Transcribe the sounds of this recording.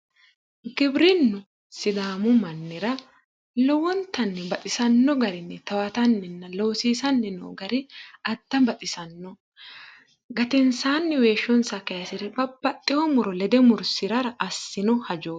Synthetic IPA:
ɡɪbɾɪnːʊ | sɪd̪aːmʊmɐnːɪɾɐ | lɔwɔnt̪ɐnːɛbɐt̪ʼɪsɐnːɔɡɐɾɪnːɛt̪ɐwɐt̪ɐnːɛnːɐloːsiːsɐnːɛno̰ːɡɐɾɪɐd̪̥ːɐbɐt̪ʼɪsɐnːɔ | ɡɐt̪ɛnsaːnːɛwe̞ːʃːɔnsɐkɐjɐsɪɾɛbɐb̥ɐt̪ʼːɪhɔmʊɾɔlɛd̪ɛmʊɾsɪɾɐɾɐʔɐsːɪnɔhɐd͡ʒoː

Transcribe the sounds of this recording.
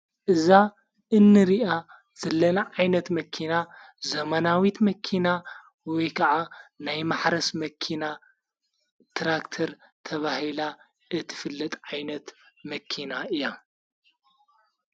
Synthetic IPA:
ʔɨza | ʔɨnːɨɾiʔa | z̥ɐlːɐnaʕajnɐt̪mɐkʰina | zɐmɐnawit̪mɐkʰina | wɔjkʰɐʕanajmaħɾɐsmɐkʰina | t̪ʰɾakt̪ʰɐɾt̪ʰɐβahila | ʔɨt̪ʰɨ̥fɨlːɐt̪ʼʕajnɐt̪mɐkʰinaɨjːa

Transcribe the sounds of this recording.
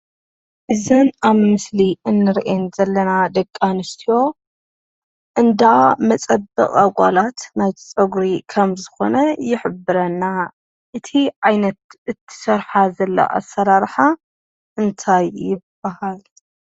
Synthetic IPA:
ʔɨzɐnaβmɨsliɨnːɨɾʔenzɐlːɐnad̪ɐkʼːanɨst̪ʰijo̞ | ʔɨnd̪amɐt͡sʼɐbːɐ̰kʼaɡʷʼa̰lat̪najt̪ʰt͡sʼɐɡɾikʰɐmzɨxo̞̰nɐjɪħɨbɨɾɐnːa | ʔɨt̪ʰiʕajnɐt̪ɨt̪ʰːɨ̥sɐɾħazɐlːɐ̰ʔa̰sːɐɾaɾħa | ʔɨnt̪ʰajːɪb̥ːahal

